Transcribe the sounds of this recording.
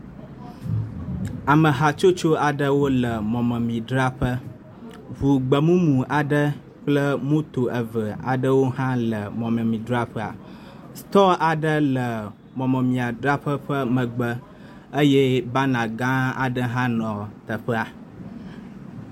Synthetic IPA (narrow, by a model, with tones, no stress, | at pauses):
a˨mə˨ɦa˨t͡ʃo˦t͡ʃo˦a˨ɖə˦wo˦lə˨mɔ̃˨mə̃˨mĩ˨ɖɾa˦ɸə˦ | vu˨ɡ͡bə˨mũ˦mũ˨ʔa˨ɖə˦ | k͡plə˦mõ˦t̪o˨ʔə˨və˨a̰˨ɖə˦wo˦ɦã˦lə˨mɔ̃˨mə̃˨mĩ˨dɾa˦ɸə˦a̰˨ | st̪ɔ˦ʔa˨ɖə˦lə˨ | mɔ̃˨mə˨mĩ˨a˨dɾa˦ɸə˦ɸə˦mə̃˨ɡ͡bə˦ | ə˦jɛ˦ba˦nã˨ɡã˦a̰˨ɖə˦ɦã˦nɔ̃˨t̪ə˨ɸə˦a˨